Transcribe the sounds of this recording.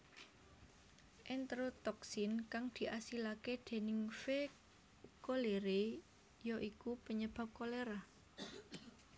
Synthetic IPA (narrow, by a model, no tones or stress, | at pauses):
ʔɛnt̪ɾot̪ɔksɪnkaŋd̪̥i̤ʔasilaked̪̥e̤nɪŋfe | koleɾe | jɔʔikupəɲəb̥a̤p̚koleɾa